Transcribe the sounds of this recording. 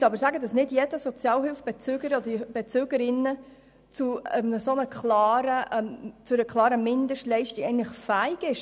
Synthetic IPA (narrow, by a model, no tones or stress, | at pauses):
sɑbəɾsæːɡədɑsnɪdjɛd̥əsɔt͡sjɑːlɦɪlfb̥ɛt͡søːɡəɾɔd̥̪əb̥ɛt͡søːɡəɾɪnːə | t͡suɛmnəsonəkχlɑːɾət͡sʊɾəkʰlˠɑːɾəmɪnd̪əʃtlɛɪʃtiɡɛɪɡŋnləχfæɪɡɪʃ